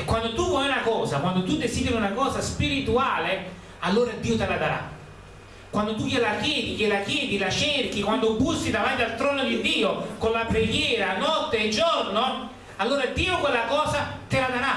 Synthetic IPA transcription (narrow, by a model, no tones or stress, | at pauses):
ekːwand̪ot̪uvwɔjunakɔːzakwand̪ot̪ud̪esiːd̪eɾiunakɔːzaspiɾit̪uaːle | alːoːɾad̪iːot̪elad̪aɾa̰ | kwand̪ot̪̬ujelakjɛːd̪ijelakjɛːd̪ilat͡ʃerk̟ikwand̪obust̪id̪avant̪ialt̪ɾɔːnod̪id̪ːiːokonlapɾeɡjɛːɾanɔt̪ːeːd͡ʒorno | alːoːɾad̪iːokwelːakɔːzat̪elad̪aɾa